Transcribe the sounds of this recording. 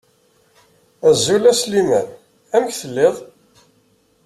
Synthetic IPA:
æzːulæslimæn | æmçθəlːɪðˤ

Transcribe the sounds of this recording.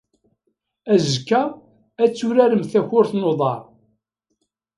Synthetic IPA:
æzəkːæ | æt͡sːʊɾæɾəmθæçʊɾθnoðˤɑɾˤ

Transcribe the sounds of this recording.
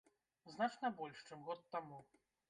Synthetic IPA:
znat͡ʂnɐbɔlʲʂt͡ʂɨmɣɔt̪ːamu

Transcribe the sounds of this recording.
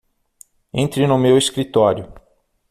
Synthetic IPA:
ẽnt̪ɾɪnʊmeweskɾit̪ɔɾjʊ

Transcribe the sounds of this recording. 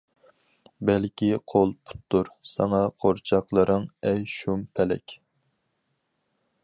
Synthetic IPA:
bɛlkʲiqʰolˠpʰu̥t̪ːuɾsɑŋɑqʰoɾt͡ʃʰɑqlˠəɾɨŋɛjʃumpʰɛlɛ̰kʲ

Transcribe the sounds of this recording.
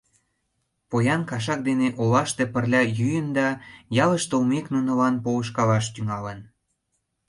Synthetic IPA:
pojɑnkɑʃ̬ɑk̚d̪eneʔolɑʃt̪epərlʲɑjyjənd̪ɑjɑlə̆ʃt̪oumeknunɤ̆lɑnpoəʃkɑlɑʃt̪yŋɑlən

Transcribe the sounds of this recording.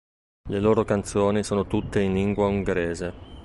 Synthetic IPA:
leloːɾokant̪soːnisoːnot̪ut̪ːeinliŋɡwauŋɡeɾeːze

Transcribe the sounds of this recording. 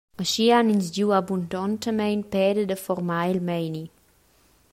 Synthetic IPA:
əʃianinsd͡ʒjuabundɔntəmɛjnpɛːdədəfɔrmailmɛjni

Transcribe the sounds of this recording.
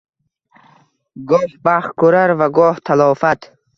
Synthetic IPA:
ɡɔːhbaχkuɾaɾvaɡɔːht̪ʰalɔːfat̪

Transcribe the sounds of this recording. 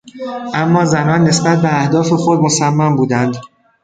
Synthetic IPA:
ʔæmːɒːzænɒːnːe̞sbæt̪̚beæhd̪ɒːfe̞xo̞d̪mo̞sæmːæmbuːd̪ænd̪

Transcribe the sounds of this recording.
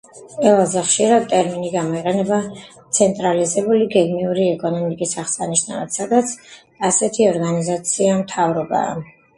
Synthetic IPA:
qʼɛlˠazɛχʃiɾad̪̚t̪ʼɛɾminiɡamɔiqʼɛnɛbat̪sʰɛnt̪ʼɾalizɛbuliɡɛɡmiuɾiɛkʼɔnɔmikʼisaχsaniʃna̰at̪sad̪at̪sʰ | asɛt̪ʰiɔɾɡanizat̪sʰiamt̪ʰavɾɔba̰ː

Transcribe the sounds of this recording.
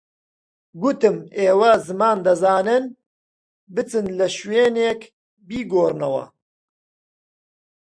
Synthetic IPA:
ɡut̪ɨmeːwɐzɨmaːnd̪ɐzaːnɨn | bɨt͡sɨnlɐʃweːneːk | biːɡoːrnɐwɐ̰

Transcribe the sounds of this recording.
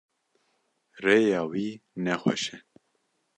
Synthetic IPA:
reːjɑːwiːnɛxʷɛ̰ʃɛ

